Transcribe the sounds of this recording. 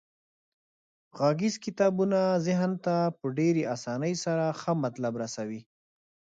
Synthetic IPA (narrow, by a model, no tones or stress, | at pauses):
ɣaɡizkɪt̪ɑbunazɪɦnt̪apəɖeɾeʔasɑnəjsaɾaxəmat̪labɾasawi